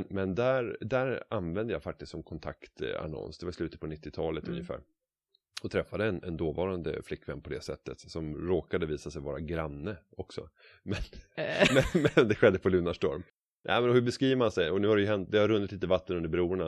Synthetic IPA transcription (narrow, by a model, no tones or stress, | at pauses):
nmɛnd̪æɾd̪æɾanvɛnd̪əjɑfak̚t̪ɪst̪sɔmkʰɔnt̪ʰa̰kt̪a̰nɔ̰nsd̪ɛvaɾslʉ̟ːt̪ət̪pʰɔnɪt̪ʰːɪt̪ʰɑːlət̪ʰɵ̰njəfæ̰ːɾ | ɔt̪ʰɾɛfːad̪əɛnɛnd̪oːvɑːɾand̪ə̰flɪkːvɛnːpʰɔd̪ɛsɛ̰t̪ːət̪sɔmɾoːkad̪əviːsasɛjvɑːɾaɡɾanːə | ɔksɔ̰ | mɛnmɛnmɛnd̪ɛɧɛd̪ːəpʰɔlʉ̟ːnaʂtɔɾm | nʔæ̰ɪmɛnɔhɵbɛskɾiːvəmansɛjɔnʉ̟ːhad̪ɛjɵɦɛnt̪̚d̪ɛhaɾɵnːɪt̪liːt̪əvat̪ːənɵnd̪əbɾuːəɳa